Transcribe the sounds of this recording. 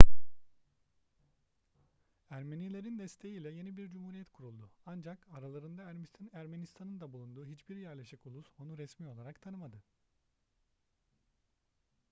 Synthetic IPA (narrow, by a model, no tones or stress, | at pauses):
æɾmenilʲe̞ɾind̪ɛst̪ʰe̞jiːlʲɛje̞nibiɾd͡ʒumhuɾijɛt̪kʰuɾulˠd̪ʊand͡ʒakaɾalˠaɾɯnd̪aɾæɾmenist̪ʰanɯnd̪abulˠund̪uːɦit͡ʃbiɾjæɾlʲeʃikulˠusonuɾɛsmiːo̞lˠaɾakt̪ʰanɯmad̪ɯ